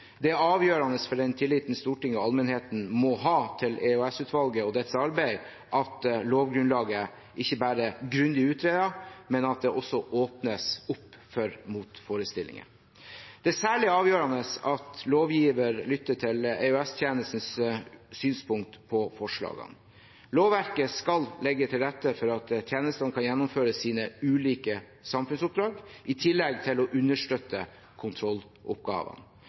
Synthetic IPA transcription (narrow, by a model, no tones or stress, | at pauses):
d̪ɛɑːʋjøːɾɑnəsfɔɖɛnt̪ʰɪlːiːt̪nəst̪uːʈɪŋɔɑlmɛnheːt̪n̩mɔɦɑːt̪ʰɪleʉɛsʉːt̪ʋɑlɡəɔd̪ɛt̪ːsɑɾbæɪ | ʔɑt̪loːʋɡɾʉnlɑːɡə | ʔɪçːəbæːɾəɡɾʉnd̪ɪʉːt̪ʰɾeːd̪ɑmɛnɑt̪̚d̪ɛʔɔsːɔʔoːpnəsʊpːfɔɾmuːt̪foːɾəst̪ɪlːɪ̰ŋə̰ | d̪̥ɛæsæːɭɪɑːʋjøːɾɑnəsɑt̪loːʋjiːʋəɾlʏt̪ːəʈʰɪleœɛst̪ʰjeːnəst̪n̩ssyːnspʊŋk̚t̪pʰɔfɔʂɭɑ̰ːɡə̰n | loːʋʋæɾkəskɑllɛɡːət̪ʰɪld̪ɛt̪ːəfɔɾɑt̪t̪ʰjeːnəst̪ənkʰɑnjɛnːʊmføːɾəsiːnəʉːliːkə | sɑmfʉnsʊp̚d̪ɾɑːɡʔɪt̪ʰɪlːɛɡt̪ʰɪlɔʔʉnːəʂʈøt̪ːə | kʰʊnt̪ʰɾɔlː | ʔʊpɡɑ̰ːʋə̰n